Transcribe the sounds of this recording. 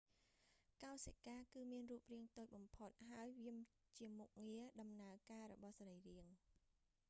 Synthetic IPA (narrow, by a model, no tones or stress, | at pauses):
kaɔsekaːkɨːmiənruːp̚riəŋt̪oːc̚ɓɑmpʰot̪̚ɦaəjʋiəm | t͡ɕiəmuk̚ŋiəɗɑmnaəkaːɾɔ̰ɓɑhsaɾəjriəŋ